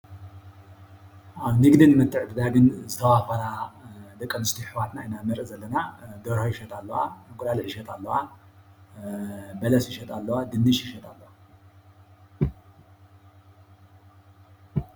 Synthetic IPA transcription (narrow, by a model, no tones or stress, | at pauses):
ʔaβnɨɡd̪ɨnmɐt̪ʼːɨʕt̪ʰɨd̪aɡɨnzɨt̪ʰɐwafɐɾad̪ɐkʼːɐmɨst̪ʰiħɨwat̪nainamɨɾʔɨzɐlːɐnad̪ɐɾhojɪʃɐt̪ʼalːɐwaɨkʼʊlaliħiʃɐt̪ʼalːɐwa | bɐlɐsjɪʃɐt̪ʼalːɐwad̪ɨnːɨʃjɪʃɐt̪ʼalːɐwa